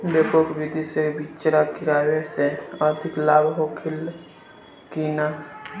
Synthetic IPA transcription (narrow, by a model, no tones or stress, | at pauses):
bepokʋid̪isebit͡ʃɾakiɾaːweseəd̪ʱiklaːbʱɦokʰil | kina